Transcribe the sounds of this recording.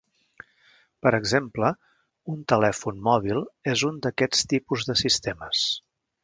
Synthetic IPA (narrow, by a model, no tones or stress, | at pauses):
pəɾəɡzemplə | unt̪əlɛfunmɔβ̞ilˠezund̪əkɛt͡st̪ipuzðəsist̪eməs